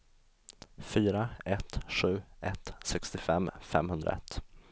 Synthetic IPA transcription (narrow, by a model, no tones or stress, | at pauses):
fyːɾaɛt̪ɧʉ̟ːɛt̪sɛkst̪ɪfɛmːfɛ̰mhɵnd̪ɾa̰ɛ̰t̪ː